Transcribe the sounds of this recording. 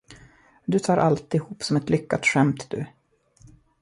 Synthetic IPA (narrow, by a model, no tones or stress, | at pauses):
d̪ɵt̪ʰɑːɾʔalt̪ɪhuːpsɔmɛt̪lʏkːat̪ɧɛmt̪d̪̥ɵ̰